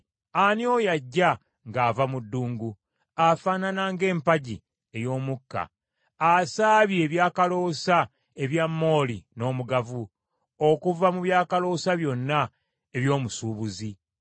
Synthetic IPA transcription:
anio̞jaɟːa | ŋɡaːvamudːuːŋɡu | afaːnanaːŋɡe̞ːmpaɟḭ | e̞jo̞ːmukːa̰ | asaːβjieβjaːkalo̞ːsa | e̞βjamːo̞ːlino̞ːmuɡavu | okuvamuβjaːkalo̞ːsaβjo̞nːa | e̞βjo̞ːmusuːβuzi

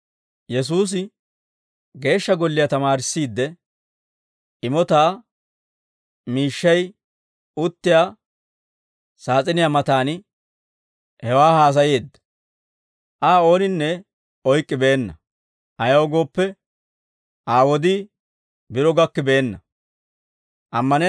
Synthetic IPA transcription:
jɛs̬uːs̬ɪ | ɡe̞ːʃːɐɡɔlːɪjat̪ɐmaːɾɪsːiːd̪ːɛ | ʔɪmɔt̪aː | miːʃːɐj | ʊt̪ːɪjaː | saːt͡sʼɪnɪjaːmɐt̪aːnɪ | hɛwaːhaːs̬ɐjeːd̪ːɐ̥ | ʔaːo̞ːnɪnːɛ | ɔjkʼːɪbeːnːɐ | ʔɐjɐwɡo̞ːpːɛ | ʔaːwɔd̪ɪ | bɪɾɔɡɐkːɪbeːnːɐ | ʔɐmːɐnɛ

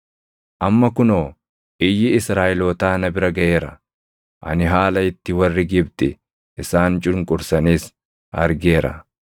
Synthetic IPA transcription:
ʔɐmːɐkʊnoː | ʔɪjːɪɪsɾaːʔɪloːt̪aːnɐbɪɾɐɡɐʔe̞ːɾɐ | ʔɐ̰nɪɦaːlɐɪt̪ːɪwɐrːɪɡɪbt̪ɪ | ʔɪsaːnt͡ʃʼʊɾŋkʼʊɾsɐniːs | ɐɾɡe̞ːɾɐ̰

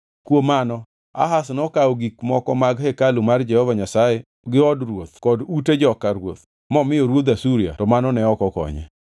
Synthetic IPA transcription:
kwomanɔ | a̰ɦasnɔkaoɡikmɔkɔmaɡhekalumard͡ʒɛhɔvaɲasajɛ | ɡɪɔdrwot̪̚kɔduted͡ʒɔkaɾwo̰t̪ | mɔmɪɔɾwot̪asuɾija̰tɔmanɔnɛɔkɔkɔ̰ɲɛ̰

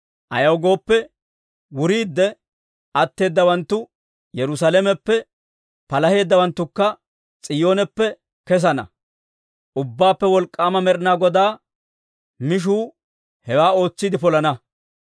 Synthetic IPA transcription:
ʔɐ̰jɐwɡo̞ːpːɛ | wʊɾiːd̪ːɛ | ɐt̪ːe̞ːd̪ːɐwɐnt̪ːʊ | jɛɾʊs̬alɛmɛpːɛ | pɐlɐhe̞ːd̪ːɐwɐnt̪ːʊkːɐ | t͡sʼɪjo̞ːnɛpːɛ | kɛs̬ɐnɐ̰ | ʔʊbːaːpːɛwɔlkʼːaːmɐmɛɾɪnaːɡɔd̪aː | mɪʃ̬uː | hɛwaːo̞ːt͡sːɪd̪ɪpɔlɐnɐ

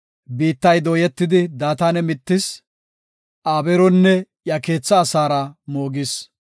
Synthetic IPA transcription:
biːt̪ːɐjd̪oːjɛt̪ːɪd̪ɪd̪aːt̪aːnɛmɪt̪ːɪs | ʔaːbɛɾɔnːɛ | jɐke̞ːt͡sːɐːsaːɾɐmoːɡɪs

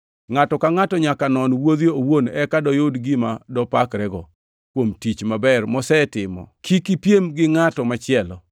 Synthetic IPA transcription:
ŋatɔkaŋatɔɲakanɔnwod̪joowonɛkadɔjodɡɪmadɔpakɾɛɡɔ | kwomtit͡ʃmabɛrmɔsɛtɪmɔ̰kʰikipjemɡɪŋatɔmat͡ʃɪɛlɔ

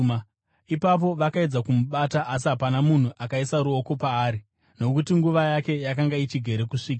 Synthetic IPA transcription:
ipap̬o̞ʋakae̞d͡zakumuɓataʔas̬iɦapanamun̤uʔakaisaɾuo̞ko̞paːɾi | no̞kutiŋɡuʋajake̞jakaŋɡait͡ʃiɡʱe̞ɾe̞kuʂiːk̬a

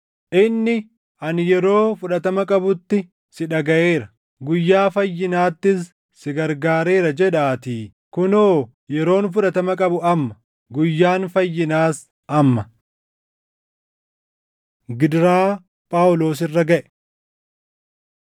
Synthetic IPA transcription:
ʔɪnːɪ | ʔɐnjɛɾo̞ːfʊᶑɐt̪ɐmɐkʼɐbʊt̪ːɪ | sɪᶑɐɡɐʔeːɾɐ | ɡʊjːaːfɐjːɪnaːt̪ːɪs | sɪɡɐɾɡaːɾeːɾɐd͡ʒɛᶑaːt̪iː | kʊnoː | jɛɾo̞ːnfʊᶑɐt̪ɐmɐkʼɐbʊɐmːɐ̥ | ɡʊjːaːnfɐjːɪnaːs | ʔɐmːɐ | ɡɪd̪ɾaː | pʼaːwʊlo̞ːsɪrːɐɡɐʔɛ̥

